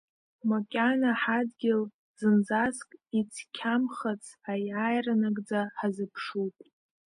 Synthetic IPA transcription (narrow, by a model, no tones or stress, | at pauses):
mokʲʼanaħadɡʲɪl | z̥ɨnd͡zaskʼit͡sʰkʲʰamχat͡sʰʼajajranaɡʼd͡zaħazɨpʰʂutʼ